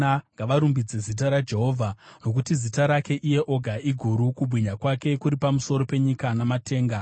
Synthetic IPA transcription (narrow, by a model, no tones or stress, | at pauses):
aŋɡaʋaɾumbid͡ze̞zit̬aɾad͡ʒe̞ɦo̞ːvʱano̞kutizitaɾake̞ʔije̞ʔo̞ɡʱaiɡʱuɾukuɓwiɲakwake̞kuɾipamuso̞ɾo̞pe̞ɲikanamate̞ːŋɡa